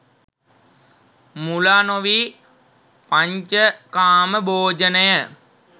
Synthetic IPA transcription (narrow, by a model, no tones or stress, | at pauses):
mulanoʋi | paɲt͡ʃəkaːməbʱoːd͡ʒənəjə